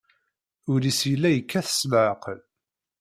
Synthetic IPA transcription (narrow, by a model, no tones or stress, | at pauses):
ʊɾisjəlːæjəkːæθə̥sməʕəql